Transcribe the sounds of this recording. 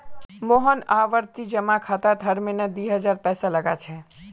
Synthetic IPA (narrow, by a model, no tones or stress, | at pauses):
moɦənaʋəɾt̪id͡ʒəmakʰat̪at̪ʰəɾmenəd̪iɦəd͡ʒaɾpɛsaləɡat͡ʃʰɛ